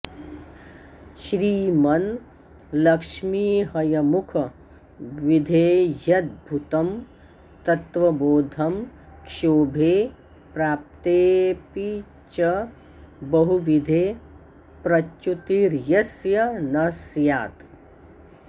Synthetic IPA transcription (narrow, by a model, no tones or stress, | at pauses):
ʃɾiːmɐn | lɐkʃmiːɦɐjɐmukʰɐ | ʋid̪ʱeːjɐt̪̚bʱut̪ɐm | t̪ɐt̪ʋɐboːd̪ʱɐmkʃoːbʱeː | pɾaːp̚t̪eːpi | t͡ʃɐ | bɐɦuʋid̪ʱeː | pɾɐt͡ʃut̪iɾjɐsjɐnɐsjaːt̪